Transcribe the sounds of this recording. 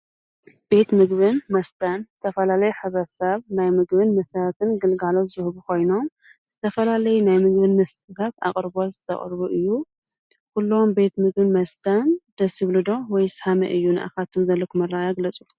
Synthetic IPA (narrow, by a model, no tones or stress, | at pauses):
b̥e̞t̪mɨɡβɨnmɐst̪ʰanzɨt̪ʰɐfɐlalɐjuħɨβɐsɐβnajmɨɡbɨnmɐsɐɾat̪ʰɨnɡɨlɡalozɨzɨhβukʰo̞jno̞m | z̥ɨt̪ʰɐfɐlalɐjunajmɨɡβɨnmɐst̪t̪ʰat̪a̰χʼɾbozɨt̪ʰɐ̰χʼɾβuʔɨjːu | kulːo̞mbe̞t̪mɨɡ̚bɨnmɐst̪ʰand̪̥ɐsiβlɨd̪o̞wɔjshamɐ̰ʔɨjːunɨ̰ʔa̰xat̪ʰɨmzɐlːokʰɨmɐrajaɡlɐt͡sʼu̥